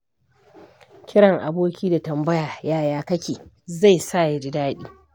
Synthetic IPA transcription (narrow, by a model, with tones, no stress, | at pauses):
kʲɪ˦ɽɐ˨ŋʔa̰˨boː˦kʲiː˦da˨tɐ˨mbɐ˦jaː˨jaː˦jaː˦kɐ˦kʲeː˨ | za˦˨jsa˦˨ja˦d͡ʒɪ˦daː˦ɗiː˦